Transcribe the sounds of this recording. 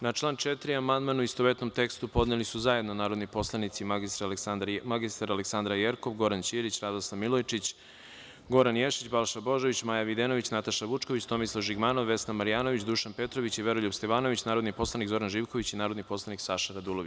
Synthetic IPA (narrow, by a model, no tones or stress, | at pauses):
nat͡ʃlˠaːnt͡ʃet̪ɾiamand̪manuist̪oʋet̪no̞mt̪e̞kst̪upo̞d̪nelisuzajed̪nonaːɾo̞d̪nipo̞slˠanit̪siist̪ɾd̪maɡist̪aɾaleksand̪ɾajeɾko̞ʋɡo̞ɾant͡ɕiɾit͡ɕɾad̪osamilojt͡ʃit͡ɕ | ɡo̞ɾanjeʃit͡ɕbalˠʃabo̞ʒoʋit͡ɕmaːjaʋid̪eno̞ʋit͡ɕnat̪aʃaʋut͡ʃkoʋit͡ɕt̪o̞mislˠaʒiɡmaːnoʋːe̞snamaɾijaːnoʋit͡ɕd̪uʃanpe̞t̪ɾo̞ʋit͡ɕiʋe̞ɾoʎubst̪eʋaːno̞ʋit͡ɕnaːɾod̪nipo̞slˠanikzo̞ɾanʒiːʋkoʋit͡ɕinaːɾod̪nipo̞slˠaniksaʃaɾad̪ulˠoʋi